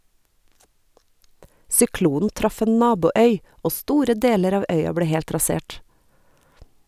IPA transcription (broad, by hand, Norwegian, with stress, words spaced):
sʏˈkluːn̩ ˈtɾɑf ˈeːn ˈnɑːbuːˌœʏ ˈoː ˈstuːɾə ˈdeːləɾ ˈɑːʋ ˈœʏɑ ˈbleː ˈhɛlt ɾɑˈseːʈ